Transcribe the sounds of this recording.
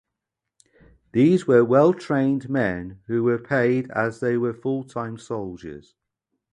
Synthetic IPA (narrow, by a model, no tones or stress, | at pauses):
ðiːzwəwɛlˠtʰɹ̥ẽɪ̃nmɛ̃nhʉːwəpʰeɪdəzðeɪwəfʊlˠtʰãɪ̃msoʊlˠd͡ʒə̰z̥